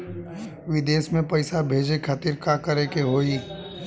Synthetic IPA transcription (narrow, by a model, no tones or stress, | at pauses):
ʋɪd̪eːsmẽpɐɪsabʱeːd͡ʒekʰat̪iɾkakəɾekeɦoːi